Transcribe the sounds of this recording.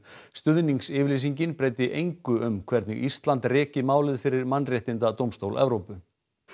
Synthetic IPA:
st̪ʏðniŋksɪːvɾlisiɲcɪnpɾejt̪ɪʔejŋkʏʏmkʰvɛɾt̪nʏɣist̪lant̪rɛːcɪmaːwlɪðfɪɾɪɾmanːrjɛht̪ɪnt̪at̪owmst̪owlʔɛ̰vɾowpʏ

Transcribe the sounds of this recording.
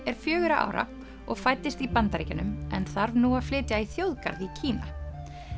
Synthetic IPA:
ɛɾ̥fjœːɣʏɾaʔa̰ːwɾa̰ | ɔɣfaːjt̪ɪst̪ipant̪aɾḭːcanʏmɛnθaɾvnuːaflɪːt̪jaiθjowðka̰ɾðicʰiːna̰

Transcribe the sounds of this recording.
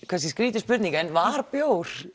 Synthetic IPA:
kʰvɛs̬iskɾiːt̪ʏspʏt̪nĩŋkɛnvaɾpjowɾ̥

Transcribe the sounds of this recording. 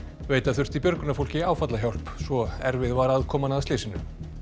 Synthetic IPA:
veːjt̪aðθʏr̥t̪ipjœɾkʏnafowl̥cɪaːwfat̪laɦçjawl̥psvɔɛɾvɪðvaɾaðkʰɔːmanaðt̪leːjsɪnːʏ̰m

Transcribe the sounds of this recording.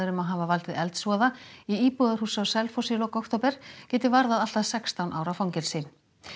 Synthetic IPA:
ɪɾʏmaðɦaːvavalt̪ɪðɛlt̪svɔːðaiiːpuɣðar̥huːsawsɛlfɔsilɔkɔwkt̪ɔwpɛɾ̥cɛːt̪ɪvaɾðaðal̥t̪aðsɛkst̪awnʔaːwɾawfawɲcɪɾsɪ

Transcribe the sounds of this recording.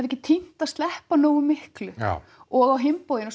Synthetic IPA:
ɛvɛhcɪt̪ʰin̥t̪aðst̪lɛhpanoːwʏmɪhklʏ | ɔɣawɦɪmpoːwðɪnɔs

